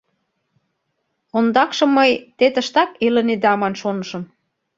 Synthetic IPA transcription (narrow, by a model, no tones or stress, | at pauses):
ond̪ɑkʃɤ̆mːəjt̪et̪ə̆ʃt̪ɑkelə̆ned̪ɑmɑnʃonɤ̆ʃɤ̆m